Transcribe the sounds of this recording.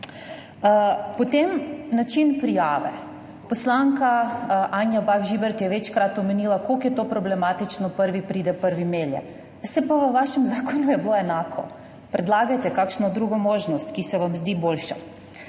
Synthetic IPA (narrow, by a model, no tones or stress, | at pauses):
pɔt̪emnat͡ʃinpɾijaːʋɛ̰ | pɔslaŋkaʔaːnjabaɣʒibɛɾt̪jɛʋɛt͡ʃkɾat̪ɔmɛniːlakokjɛt̪oːpɾɔblɛmaːt̪it͡ʃnɔpəɾʋipɾiːd̪ɛpəɾʋimeːljɛ̰ | sɛpaʋəʋaʃɛmzaːkɔnujɛbloɛnaːkʰɔ̰ | pɾʔɛd̪laːɡajt̪ɛkakʃnɔd̪ɾuːɡɔmoːʒnɔst̪kisɛʋamzd̪iːboːlʃa